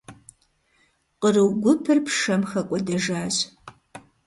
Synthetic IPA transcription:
qərɨwɡʷʊpʰɨrpʰʂɐmxɐkʷʼɔdɐʒaːɕ

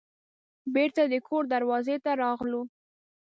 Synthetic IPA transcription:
beɾt̪ad̪əkʰoɾd̪aɾwɑzet̪aɾɑɣlu

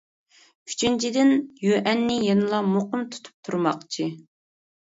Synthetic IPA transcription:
kʲʰy̥t͡ʃʰynt͡ʃʰid̪ɪnjøʔɛnːɪjenɨlˠɑmoqʊmt̪ʰu̥t̪ʰu̥p̚t̪ʰuɾmɑq̚t͡ʃʰi

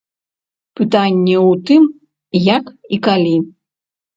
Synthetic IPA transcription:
pɨt̪anʲːɛut̪ɨm | jakikalʲi

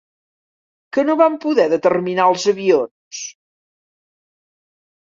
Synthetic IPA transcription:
kənoβampuðɛðət̪ərminaəlˠzəβions

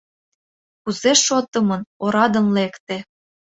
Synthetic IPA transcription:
kuzeʃot̪ɤ̆mɤnoɾɑd̪ə̆nlekt̪ĕ

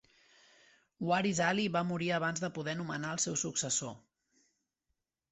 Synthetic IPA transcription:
waɾizaliβamuɾiəβ̞anzðəpuðɛnumənaəlˠsɛwsuksəso

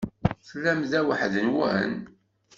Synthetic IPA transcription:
θəlːæmðæwəħðənwə̰ɦə̰n

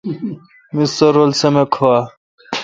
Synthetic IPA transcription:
mist̪ɐɾolsɐmekʰowa

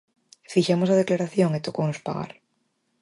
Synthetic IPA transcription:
fixamosað̞eklaɾaθjoŋet̪okonospa̰ɣa̰ɾ

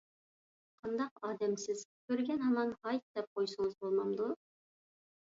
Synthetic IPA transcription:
qʰɑnd̪ɑqɑːd̪ɛmsɪz̥kʲʰøɾɡʲɛnɑmɑnhɑjt̪̚d̪̥ɛp̚qʰojsɨɴɨzbolˠmɑmd̪u

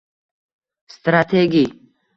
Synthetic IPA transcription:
st̪ɾat̪ʰeɡi

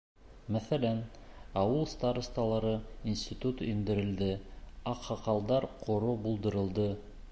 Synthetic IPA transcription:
mæθælænɑwɤlˠst̪aɾst̪ɑlˠɑɾɤinsʲt̪ʲit̪ut̪ind̪ɘ̆ɾɘ̆ld̪ɘɑqhɑqɑlˠd̪ɑɾqʰŏɾobulˠd̪ɤ̆ɾɤ̆lˠd̪ɤ

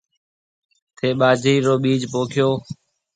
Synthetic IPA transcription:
t̪ʰeːɓaːd͡ʒʱɾiːɾoːɓiːd͡ʒpoːkʰɪjoː

